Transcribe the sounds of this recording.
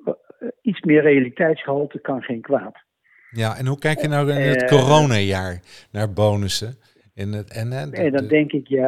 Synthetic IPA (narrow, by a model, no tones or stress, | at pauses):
itsmɪːrejalitɛjtsχəolˠtəkɑnχejnkʋaːt | jaʔɛnɦukɛjkjənawɪnətkorownajaːɹnaːɹboːnəsə | ɛnɛnɛɛdɔndɛŋkɪkja